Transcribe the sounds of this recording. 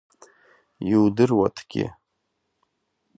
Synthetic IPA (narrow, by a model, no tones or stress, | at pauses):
iwdɨrwa̰tʰɡ̥ʲɪ̰